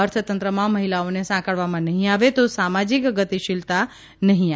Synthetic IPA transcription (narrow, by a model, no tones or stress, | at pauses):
əɾt̪ʰət̪ə̃nt̪ɾəmãməɦilaonesãkəɽʋamãnəɦĩaʋet̪osamad͡ʒikɡət̪iʃɪlt̪a | nəɦĩa